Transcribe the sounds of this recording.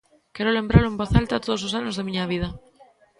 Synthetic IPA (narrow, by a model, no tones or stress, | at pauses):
keɾole̞mbɾaloẽmboθalt̪at̪oð̞ososanozðemiɲaβ̞ið̞a